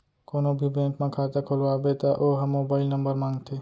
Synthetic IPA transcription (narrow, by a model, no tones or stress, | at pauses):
koːnobʱibẽːŋkmẽkʰat̪akʰolʋabet̪aʔoɦəmːoːbaːɪlnəmbəɾmãːŋɡt̪ʰe